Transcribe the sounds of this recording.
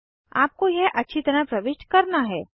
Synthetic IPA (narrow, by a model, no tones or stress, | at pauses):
a̰ːp̚kojɛʔɐtːʃʰit̪ɐɾapɾɐʋɪʃʈkɐɾnaɦɛː